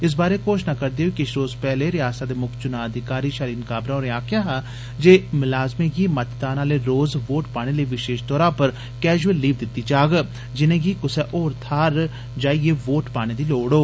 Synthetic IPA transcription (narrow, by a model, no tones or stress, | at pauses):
ɪs̬baːɾeːkoːʃnaːkəɾd̪eːɦokɪɪʃʰɾoːzpɛːɦleːɾɪjaːsaːd̪eːmʊkʰt͡ʃʊnãːəd̪ʱɪkaːɾiːʃaːɾiːnkaːbɾãoːɾɪaːkʰjãːɦaː | d͡ʒeːmɪlaːzmẽːɡiːmət̪t̪aːnaːleːɾoːzʋoːʈpaːɽ̃eːləːʋɪʃeːʃt̪ɔːɾãːpəɾ | kɛːd͡ʒuəlːiːʋd̪ɪt̪ːiːd͡ʒaːɡ | d͡ʒɪnẽːɡiːkʊsɛʔoːɾt̪ʰaːɾ | d͡ʒaːieːʋoːʈpaːɽ̃ẽːd̪iːloːɽoː